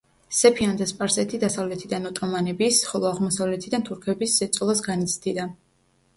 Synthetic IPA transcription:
sɛpʰiand̪aspʼaɾsɛt̪ʰid̪asavlɛt̪ʰid̪anɔt̪ʼɔmanɛbisχɔlˠɔaʁmɔsavlɛt̪ʰid̪ant̪ʰuɾkʰɛbiszɛt̪sʼlˠasɡanit̪sʰd̪id̪a

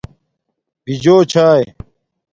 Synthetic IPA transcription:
b̥id͡ʑoːt͡ɕʰaːj

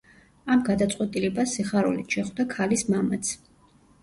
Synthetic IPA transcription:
amɡad̪at̪sʼqʼwɛt̪ʼilɛbasiχaɾṵlit̪ʃɛχvd̪akʰalismamat̪sʰ

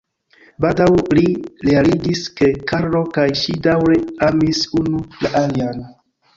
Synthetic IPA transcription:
baldawliɾealid͡ʒiske̞kaɾlo̞kajʃidawɾe̞amisunulaʔalian

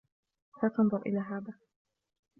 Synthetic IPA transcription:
haːt̪ɑnðˤʊɾʔɪ̰laːɦaːðaː

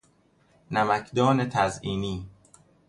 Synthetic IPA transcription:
næmækʰd̪ɒːnet̪ʰæziːniː

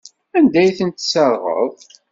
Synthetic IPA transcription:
ænd̪æjθənt̪səɾˤʁə̰ðˤ

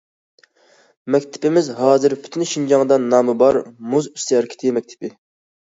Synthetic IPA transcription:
mɛkʲt̪ʰɪ̥pɪmɪzɦɑːzɨɾpʰy̥t̪ʰynʃind͡ʒɑŋd̪ɑnːɑːmɨbɑɾmuzy̥st̪ɛɾkʲi̥t̪ʰɪmɛk̚ʲt̪ʰɪ̥pɪ

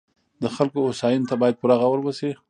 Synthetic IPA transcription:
d̪əxalkoːsɑjɪnt̪abɑjad̪̚puɾaɣawəɾbəsi

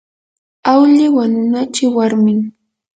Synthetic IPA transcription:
awʎɪwanʊnat͡ʃɪwaɾmɪŋ

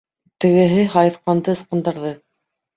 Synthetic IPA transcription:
t̪ɘ̆ɡɘ̆ɦɘɦɑjɤθqɑnd̪ɤɤ̆sqɤ̆nd̪ɑɾðɤ

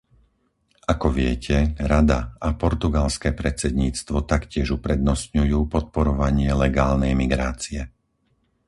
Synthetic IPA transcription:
akɔʋɪɛcʰɛɾad̪aapɔɾt̪uɡalskɛːpɾɛt͡sɛd̪ɲiːt͡st̪ʋɔt̪akcɪɛʒupɾɛd̪nɔst̪ɲujuːpɔt̪̚pɔɾɔʋaɲɪɛlɛɡaːlnɛjmiɡɾaːt͡siɛ

